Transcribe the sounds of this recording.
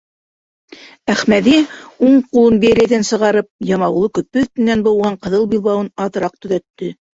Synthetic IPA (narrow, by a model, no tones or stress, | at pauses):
æχmæðiuɴqulˠɤnbiæɾæjðænsɤ̆ʁɑɾɤp̚jɑmɑulˠɤkɵ̆pːɵt̪ɘ̆nːænbŏwʁɑɴqɤ̆ðɤlˠbilˠβɑwɤnɑðɤ̆ɾɑq̚t̪ɵ̆ðæt̪ːɵ